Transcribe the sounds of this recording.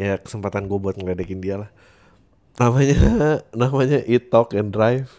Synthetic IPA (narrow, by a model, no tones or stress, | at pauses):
jakə̥səmpat̪anɡuabuat̪̚məlɛdakɪndialah | namaɲanamaɲaʔit̪ɔkɛndɾajf